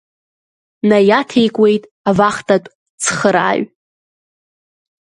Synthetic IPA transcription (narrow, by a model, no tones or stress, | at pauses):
najatʰe̞jkʷʼwe̞jtʼ | avaχtʰʼatʷʼ | t͡sʰχəɾa̰ːɥ